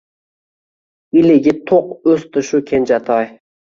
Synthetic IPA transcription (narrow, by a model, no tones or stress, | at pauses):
ilɪɡʲɪt̪ʰoqɵst̪ʰɨʃukʲʰend͡ʒat̪ʰɑj